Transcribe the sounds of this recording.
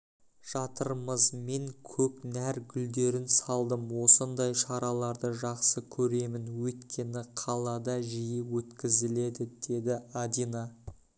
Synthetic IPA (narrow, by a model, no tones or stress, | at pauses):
ʒ̥ɑt̪əɾəməzmeŋkʲʰɵknæɾɡʲʏld̪e̞ɾɪnsɑlˠd̪əmwo̞sənd̪ɑjʃɑɾɑlˠɑɾd̪əʒɑqsəkʲʰɵɾe̞mɪnwɵjt̪kʲe̞nɪqʰɑlˠɑd̪ɑʒijɪwɵt̪kʲɪzɪle̞d̪ɪd̪̥e̞d̪ɪad̪inɑ